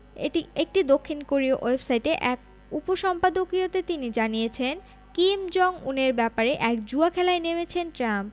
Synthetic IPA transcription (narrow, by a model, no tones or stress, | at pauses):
ḛʈiek̚ʈid̪okʰːinkoɾioʔojbsajʈeʔɛk̚ | upoʃɔmpad̪okɾiot̪et̪inid͡ʑanijet͡ɕʰen | kimd͡ʑɔŋuneɾbɛpaɾeʔɛkd͡ʑuakʰɛlaenemet͡ɕʰenʈɾamp